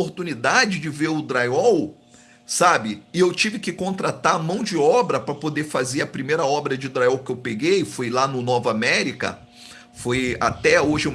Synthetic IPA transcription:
oɾt̪ũnid̪ad͡ʒɪd͡ʒɪveɾʊd̪ɾajɔw | sabɪɪewt͡ʃivɪkɪkõnt̪ɾat̪amɐ̃w̃d͡ʒɪɔbɾɐpɾɐpod̪efazeɾɐpɾimejɾɐɔbɾɐd͡ʒɪd̪ɾajɔwkɪewpeɡejfojlanʊnɔvɐamɛɾikɐ̰ | foja̰t̪ɛoʒɪũ

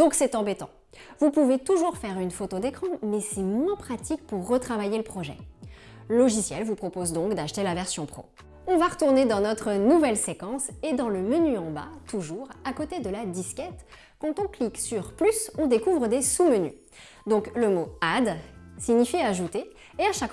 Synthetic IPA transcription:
d̪̥ɔ̃ksɛt̪ɑ̃bɛt̪ɑ̰̃ | vupuvet̪uʒuʁfɛʁynfot̪od̪ekχɑ̃mɛsɛmwɛ̃pχat̪ik̚puʁːət̪χavajeləpχɔʒɛ̰ | lɔʒisjɛlvupχɔpozd̪ɔ̃kd̪aʃt̪elavɛʁsjɔ̃pχo̰ | ɔ̃vaʁət̪uʁned̪ɑ̃nɔt̪χənuvɛlsekɑ̃sed̪ɑ̃ləmənyɑ̃ba̰t̪uʒuʁakot̪ed̪əlad̪iskʲɛt̪ | kɑ̃t̪ɔ̃kliksyʁplysɔ̃d̪ekuvʁəd̪esuməny̰ | d̪ɔ̃kləmoad̪siɲifiaʒut̪eː | aʃak

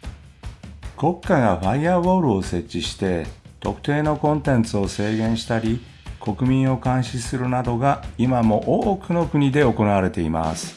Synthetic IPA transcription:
ko̞kːaɡaɸaiaβo̞ːɾɯ̟o̞se̞t͡ɕːiɕi̥t̪e̞t̪o̞kɯ̟̥t̪e̞ːno̞kõ̞nt̪ẽ̞nt͡sɨo̞se̞ːɡẽ̞ɰ̃ɕi̥t̪aɾʲi | ko̞kɯ̟mʲĩɰ̃o̞kãɰ̃ɕisɨɾɯ̟nad̪o̞ɡaimamo̞ʔoːkɯ̟no̞kɯ̟ɲ̟id̪e̞o̞ko̞naβaɾe̞t̪e̞ima̰sɨ̥

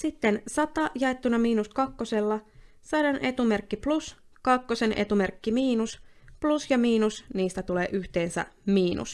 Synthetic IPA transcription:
sit̪ːe̞nsɑt̪ɑjɑe̞t̪ːunɑmiːnuskɑkːose̞lːɑ | sɑɾɑnʔe̞t̪ume̞rkːiplus | kɑkːo̞se̞nʔḛt̪umerkːimiːnusplusjɑmiːnusniːst̪æt̪ule̞ːʔyçt̪e̞ːnsæ̰miːnṵs

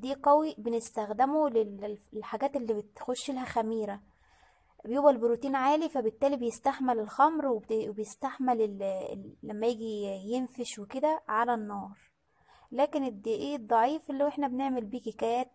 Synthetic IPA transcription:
d̪iːqæwibenest̪æxd̪emolellħaɡæːt̪elːiːbet̪xoʃːelhæxæmiːɾæ | bejoːwælboɾut̪iːnʕaːlifæbet̪ːæːlibejest̪æħmelelxæmɾwebejest̪aħmelelː | æmːæjeːɡijenfeʃweked̪æʕalænːɑːɾˤ | læːkened̪iʔeːd̪ˤːɑʕiːfelːoweħnæbeneʕmelbiːkekæjæːt̪̚

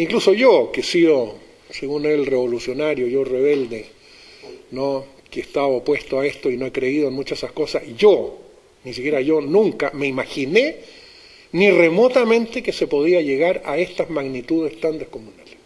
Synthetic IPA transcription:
iŋkluso̞ʝokesiðo | seɣunelreβo̞lusjo̞naɾjoʝoreβeld̪e | no | keest̪aβaopwe̞st̪oaest̪oino̞ekɾeiðoenmut͡ʃaesaskosasʝo | nisikjeɾaʝonũŋkame̞imaxine | nire̞mot̪amẽ̞nt̪ekesepo̞ðiaʝeɣaɾaest̪azmaɣnit̪uð̞est̪and̪ehko̞munale̥s

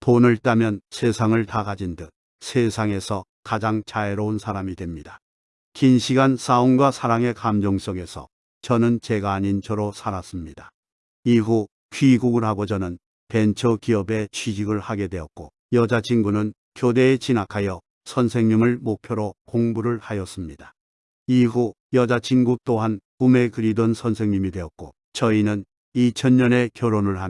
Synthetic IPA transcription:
ponɯɭt͈amjʌnsʰe̞sʰaŋɯɭtakad͡ʑindɯt̚ | sʰesʰaŋe̞sʰʌ | kad͡ʑaŋt͡ɕaeɾʌnsʰaɾamidwe̞mɲida | kinɕʰiɡansaonɡwasʰaɾaŋe̞kamd͡ʑʌŋs͈ʌŋe̞sʰʌ̰ | t͡ɕʌnɯnt͡ɕe̞ɡaɲint͡ɕʰʌɾosʰaɾas͈ɯmɲida | iɦu | kɥiɡuɡɯɾɦaɡot͡ɕʌnɯn | pent͡ɕʰʌkiʌbe̞t͡ɕʰɥid͡ʑiɡɯɭhaɡe̞dwe̞ʌt̚k͈o | jʌd͡ʑat͡ɕʰinɡunɯn | kjode̞ːt͡ɕinakʰajʌ | sʰʌnsʰe̞ŋɲimɯɭmok̚pʰjoɾokoŋbuɾɯɭhajʌs͈ɯmɲida | iɦu | jʌd͡ʑat͡ɕʰinɡut͈oɦankume̞kɯɾidʌnsʰʌnsʰe̞ŋɲimidwe̞ʌt̚k͈o | t͡ɕʌinɯn | it͡ɕʰʌnːʌne̞kjʌɾonɯɭɦa

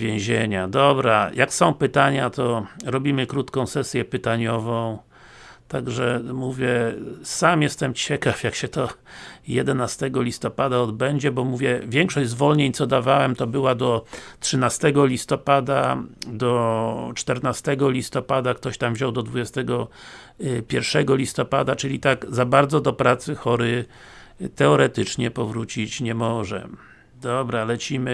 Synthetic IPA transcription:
vʲjẽw̃ʑeɲad̪ɔbɾajʔaksɔ̃w̃pɘt̪aɲat̪ɔɾɔbʲimɘkɾut̪kɔ̃w̃sɛsʲjɛpɘt̪aɲɔvɔ̃w̃ | t̪aɡʐɛmuvʲjɛsamjɛst̪ɛmt͡ɕɛkafjakɕɛt̪ɔjɛd̪ɛnast̪ɛɡɔlʲist̪ɔpad̪aɔd̪bɛɲd͡ʑɛbɔmuvʲjɛvʲjɛŋkʂɔzvɔlɲeɲt̪sɔd̪avawɛmt̪ɔbɘwad̪ɔtʂɘnast̪ɛɡɔlʲist̪ɔpad̪a̰d̪ɔt͡ʂt̪ɛɾnast̪ɛɡɔlʲist̪ɔpad̪akt̪ɔɕt̪amvʑɔ̃wd̪ɔd̪vud͡ʑɛst̪ɛɡɔ | pʲjɛɾfʂɛɡɔlʲist̪ɔpad̪at͡ʂɘlʲit̪aɡzabaɾd̪zɔd̪ɔpɾat̪sɘxɔɾɘ | t̪ɛɔɾɛt̪ɘt͡ʂɲɛpɔvɾut͡ɕit͡ɕɲɛmɔʐɛ̰ | d̪ɔbɾalɛt͡ɕimɘ

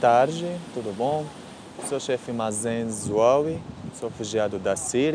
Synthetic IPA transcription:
t̪aɾd͡ʒɪt̪ud̪ʊbõ | soʃɛfɪmazẽzwawisoefuʒiad̪ʊd̪ɐsiɾ

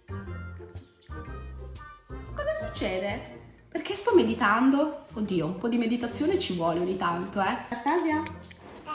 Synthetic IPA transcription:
kɔzasut͡ʃːɛːd̪eperk̟est̪ɔmːed̪it̪and̪ood̪ːiːoumpɔd̪imed̪it̪at̪sːjoːnet͡ʃivwɔːleoɲːit̪ant̪oɛst̪aːzja

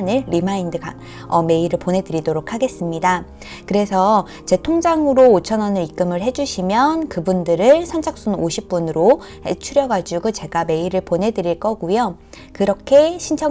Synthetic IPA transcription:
nɯɭɾimaindɯɡa | ʌme̞iɾɯɭponɦe̞dɯɾidoɾokʰaɡe̞s͈ɯmɲida | kɯɾe̞sʰʌ | t͡ɕe̞tʰoŋd͡ʑaŋɯɾoːt͡ɕʰʌnʌnɯɾik͈ɯmɯɭhe̞d͡ʑuɕʰimjʌnkɯbundɯɾɯɭsʰʌnd͡ʑʰak̚s͈unoɕʰip̚p͈unɯɾo | ḛt͡ɕʰuɾjʌɡad͡ʑuɡut͡ɕe̞ɡame̞iɾɯɭponɦe̞dɯɾiɭk͈ʌɡujo | kɯɾʌkʰe̞ɕʰint͡ɕʰʌ

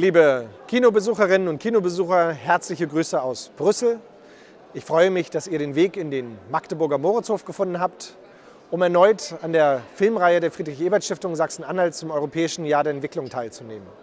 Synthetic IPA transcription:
liːbəkʰiːnobəzuːχəʁɪnənʊnt̚kʰiːnobəzuːxɐhɛɐt͡slɪçəɡʁyːsəaʊsb̥ʁʏsl̩ | ʔɪçfʁ̥ɔʏəmɪçd̥asiːɐɾeːnveːkɪndeːnmaktəbʊɐɡɐmoːʁət͡shoːfɡ̥əfʊndn̩ɦaːpt | ʔʊmɛɐnɔʏtandeːɐfɪlmʁaɪədeːɐfʁ̥iːdʁɪçʔeːbɐtʃtɪftʊŋzaksn̩ʔanhaltt͡sʊmʔɔʏʁopʰɛːɪʃn̩jaːɐdeːɐɛntv̥ɪklʊŋtʰaɪlt͡sunḛːmən

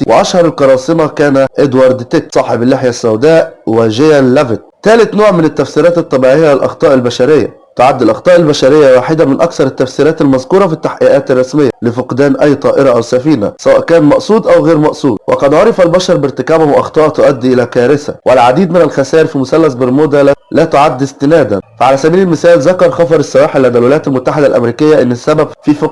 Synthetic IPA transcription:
wʔɪ̰ʔæʃhɑɾˤɑlkɑɾˤɑːsˤɨmɑkæːnæʔɪd̪wɑɾˤd̪t̪ɪksˤɑːħebælːeħjasːæwd̪æːʔwɪʒejælːævɪt̪̚t̪æːlɪt̪noːʕmɪnɪt̪ːæfsiːɾɑːt̪ɨt̪ˤːɑbiːʕɪjːaɪlʔɑ̰xt̪ˤɑːʔɪlbæʃæɾɪjːa̰ | t̪ʊʕad̪ːɪlʔɑxt̪ˤɑːʔɪlbæʃæɾɪjːawaːħɪd̪amɪnʔɑkθɑɾˤɪt̪ːæfsiːɾæːt̪ɪlmæzkuːɾˤɑfit̪ːaħʔiːʔæːt̪ɪrˤːɑsmɪjːælɪfʊqd̪æːnʔæjːt̪ˤɑːʔɪɾɑʔawsæfiːna̰sæwæ̰ːʔkæːnmɑʔsˤuːd̪ʔæwɣeːɾmɑʔsˤuːd̪̚wʔɑqɑd̪ʕoɾˤɑfælbæʃɑɾˤbɪɾt̪ɪkæːbʊhʊʔɑ̰xt̪ˤɑːʔt̪ʊʔæd̪ːʔɪlæːkæːɾɪsæ̰wʔalʕad̪iːd̪mɪnælxæsæːɾfimʊsælːæsbɪɾmoːd̪ællæːt̪ʊʕad̪ːɪst̪ɪnæːd̪æ̰nfaʕalæːsæbiːilɪlmɪθæːlzækɑɾˤxɑfɑɾˤɪsːɑwæːħelːændːælwɪlæjːæt̪ælmʊt̪ːaħɪd̪ælʔæ̰mɾiːkɪjːaʔɪnːɪsːæbæbfiːfʊ

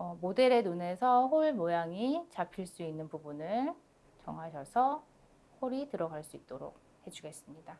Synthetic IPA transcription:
ʌmode̞ɾe̞nune̞sʰʌɸoɭmojaŋit͡ɕapʰiɭs͈uinːɯnbubunɯɭ | t͡ɕʌŋɦaɕʰʌsʰʌ | hoɾitɯɾʌɡaɭs͈uit̚t͈oɾo̰k̚ | he̞d͡ʑuɡe̞s͈ɯmɲida

